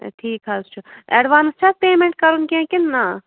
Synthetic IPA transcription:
ʈʰiːkɦazt͡ʃʰuɛɖʋaːnst͡ʃʰapeːmẽɳʈ̚kɐɾunkẽkinːa

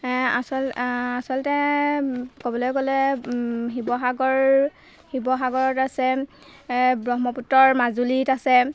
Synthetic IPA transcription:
asɔlasɔltɛ | kobɔlɔjkɔlɛ | xibɔɦaɡɔɹ | hibɔɦaɡɔɹɔtasɛ | bɹɔɦmɔputːɔɹmazulitasɛ

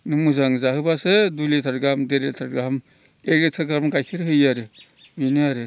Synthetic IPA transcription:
nɯmuzaŋzaɦhɯbasedulitʰaɾɡamdeɾetʰaɾɡam | eɡletʰaɾɡaɾmɡajkʰɯɾhɯjaɾɯ | biniaɾɯ

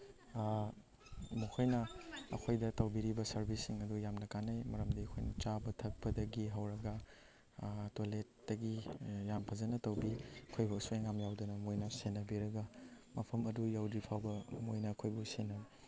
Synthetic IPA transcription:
mukʰojnɐɐ̰kʰojdɐtɐwbiɾibɐsɐɾbisːiŋɐdujamnɐkanajmɐɾɐmdɐɐkʰojnɐt͡ʃabɐtʰɐk̚pɐdɐɡiɦɐwɾɐɡɐ | tolet̚d̥ɐɡijampʰɐzɐnɐtɐwbiɐkʰojbuɐsueŋamjawdɐnɐmojnɐsenɐbiɾɐɡɐ | mɐpʰɐmɐdujawdɾipʰawbɐmojnɐːkʰojbusenɐ

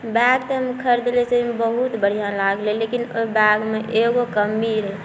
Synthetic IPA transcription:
bɛɡt̪əɦəmkʰəɾd̪elesebəɦut̪bəɽ̤ijãlaɡlẽlekinobɛɡmeʔeɡokəmːiɾɦɛ

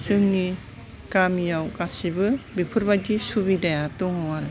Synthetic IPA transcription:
sɯŋni | kamijawkasibɯbipʰɯɾbadisubidajatuŋhɔwaɾɯ

